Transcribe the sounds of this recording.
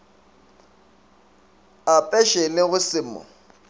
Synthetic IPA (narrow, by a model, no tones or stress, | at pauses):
apʼɛʃelɪɣʊsɪmɔ̰